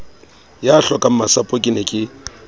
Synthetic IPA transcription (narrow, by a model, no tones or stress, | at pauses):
jaːɬɔkʼam̩masapʼokʼinɛkʼɪ